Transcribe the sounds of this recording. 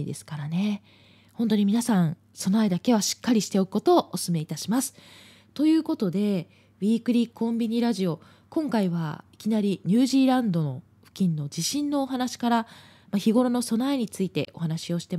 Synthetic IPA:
d̪e̞sɨ̥kaɾane̞ | hõ̞nt̪̬o̞ɲ̟imʲinasãɴ̃ | so̞naed̪ake̞βaɕi̥kːaɾʲiɕi̥t̪e̞o̞kɯ̟ko̞t̪o̞ːʔosɨme̞it̪aɕimasɨ̥ | t̪o̞jɯ̟ːko̞t̪o̞d̪e̞ | βʲiːkɯ̟ɾʲikʰõ̞mbʲiɲ̟iɾaʑio̞ | kõ̞ŋkaiβa̰i̥kʲinaɾʲiɲ̟ɨːʑiːɾãnd̪o̞no̞̰ | ɸɯ̟̥kʲĩnːo̞d͡ʑiɕĩnːo̞ːɦanaɕi̥kaɾa | maçiɡo̞ɾo̞no̞so̞naeɲ̟it͡sɨit̪e̞ʔo̞hanaɕio̞ɕi̥t̪e̞

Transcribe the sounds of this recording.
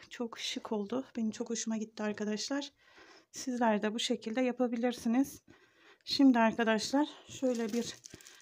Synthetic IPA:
t͡ʃʰo̞kʃɯkʰo̞lˠd̪ʊb̥e̞nimt͡ʃʰo̞kho̞ʃumaɟit̪ʰːiaɾkad̪aʃlˠaɾ̥ | sizlʲæɾd̪ɛbuʃe̞cʰilʲd̪ɛjapʰabilʲiɾsiniz̥ | ʃimd̪iaɾkad̪aʃlˠaɾ̥ʃø̞jlʲɛbiɾ̥

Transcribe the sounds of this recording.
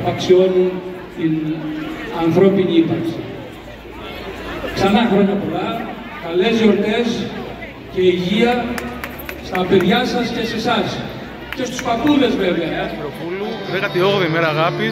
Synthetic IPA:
ɐksio̞nun | t̪in | ɐnθɾo̞piniipɐksi | ksɐnɐxɾo̞ɲɐpo̞lɐ | kɐle̞zjo̞ɾt̪e̞s | ce̞iʝiɐ | st̪ɐpe̞ðʝɐsɐsce̞se̞sɐs | ce̞st̪u̥spɐkule̞zve̞ve̞ɐɾopuluekɐt̪ioɣðemeɾɐːɣapi

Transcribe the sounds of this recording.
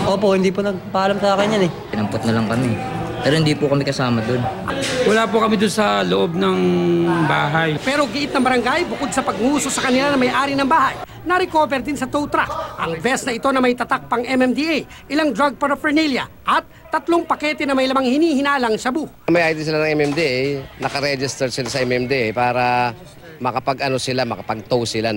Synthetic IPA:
ʔoːpoʔhɪnd̪iːponɐɡ̚papaalamsaːkɪnɐnɛkɪnɐmpot̪nɐlɐŋkɐmɛ | pɛːɾohɪnd̪iːpukɐmɛkɐsaːmɐd̪onwɐlaːpʊkɐmid̪ʊnsɐloʔo̞b̚nɐŋba̰ːɦɐjpɛːɾo̞ɡɪʔɪt̪nɐŋbɐɾɐŋɡajbʊkod̪̚sɐpɐɡ̚ŋuːso̞sɐkɐnɪlanɐmɐjʔaːɾinɐŋbaːɦɐj | nɐɾɪko̞ːbɛɾd̪ɪnsɐt̪owt̪ɾa̰kʔɐŋbɛsnɐɪt̪o̞nɐmɐjt̪ɐt̪ak̚pɐŋɛmɛmd̪iʔej | ʔɪlaŋd̪ɾaɡ̚pɐɾɐfɛɹniljɐ̰ | ʔɐt̪̚ːɐt̪lo̞ŋpɐkɛːt̪ɛnɐmɐjlɐmaŋhɪniːhɪnaːlɐŋʃɐbu | mɐjʔajt̪ɪs̬ɪlanɐŋɛmɛmd̪iʔjnɐkɐɾɛd͡ʒɪst̪ɛɾsɪlasɐʔɛmɛmd̪iʔɛjpaːɾɐ | mɐkɐpɐɡʔɐno̞sɪlamɐkɐpɐɡ̚t̪owsɪla

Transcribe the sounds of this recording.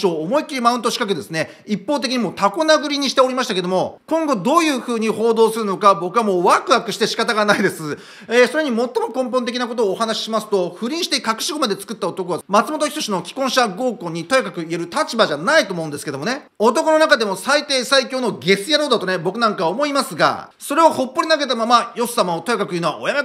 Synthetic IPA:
oːmo̞ikʲiɾimaɯ̃nt̪̬o̞ɕi̥kakɯ̟d̪e̞sɨne̞ | ipːo̞ːt̪e̞kʲiɲ̟imo̞t̪ako̞naɡɯ̟ɾʲiɲ̟iɕi̥t̪e̞o̞ɾʲimaɕi̥t̪ake̞d̪o̞mo̞kõ̞ŋɡo̞d̪o̞ːjɯ̟ːɸɯ̟ːɲ̟iho̞ːd̪o̞ːsɨɾɯ̟no̞kabo̞kɯ̟βamo̞ːβakɯ̟akɯ̟ɕi̥t̪e̞ɕi̥kat̪aɡanaid̪e̞sɨ | esoɾe̞ɲ̟imo̞t̪ːo̞mo̞kõ̞mp̬õnt̪ekʲinako̞t̪o̞ːɦanaɕi̥ɕimasɨ̥t̪o̞ɸɯ̟ɾʲĩɰ̃ɕi̥t̪eikakɯ̟ɕiɡo̞mad̪e̞t͡sɨ̥kɯ̟t̪ːaot̪o̞koβamat͡sɨmot̪o̞çʲit̪o̞ɕino̞kʲi̥kõɕaɡo̞ːko̞ɲ̟ːit̪o̞ekakɯ̟ie̞ɾɯ̟t̪at͡ɕibaʑanait̪oːmoɯ̃nd̪e̞sɨ̥ke̞d̪omone̞ | o̞t̪o̞kono̞nakad̪e̞mo̞sait̪e̞ːsaikʲo̞ːno̞ɡe̞sɨjaɾo̞ːd̪at̪o̞ne̞bo̞kɯ̟nãŋkaβaomo̞imasɨɡa̰ | so̞ɾe̞aho̞pːo̞ɾʲinaɡe̞t̪amamajo̞sɨ̥samaot̪o̞ekakɯjɯːnoβa̰ʔojame

